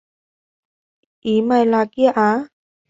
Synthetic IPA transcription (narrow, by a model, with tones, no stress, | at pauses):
ʔi˨˦ma˧˨jla˧ki˦˥a˨ʔa˧˦